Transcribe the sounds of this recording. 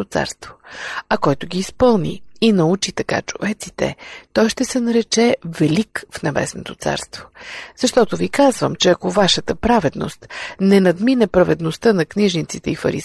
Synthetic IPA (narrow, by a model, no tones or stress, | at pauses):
ot̪sa̰ɾst̪vo̥ɐkɔjt̪ʊɡʲiːspɤlˠnḭːnɐut͡ʃit̪ɐka̰t͡ʃovɛt̪si̥t̪ɛ̰t̪ɔjʃt̪ɛsɛnɐɾɛt͡ʃɛvɛlikfnɐbɛ̰sno̰t̪ot̪sa̰ɾst̪vo̥z̥ɐʃt̪ɔt̪ovikazvəmt͡ʃɛɐkovaʃət̪əpɾavɛd̪no̰st̪nɛnɐd̪minɛpɾɐvɛd̪nost̪ənɐkniʒnit̪sit̪ɛifə̰ɾḭs